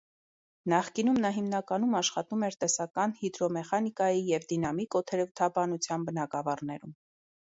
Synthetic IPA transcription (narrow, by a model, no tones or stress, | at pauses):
nɑχkinumnɑɦimnɑkɑnumɑʃχɑt̪umɛɾt̪ɛsɑkɑnhid̪ɾɔmɛχɑnikɑjijɛvd̪inɑmikɔt̪ʰɛɾut̪ʰɑbɑnut͡sʰjɑnbənɑkɑvɑrnɛɾum